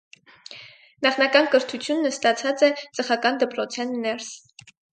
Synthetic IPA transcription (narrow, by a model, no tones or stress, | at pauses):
nɑχnɑkɑnkəɾt̪ʰut͡sʰjunːəst̪ɑt͡sʰɑt͡sɛt͡səχɑkɑnd̪əpɾɔt͡sʰɛnːɛɾs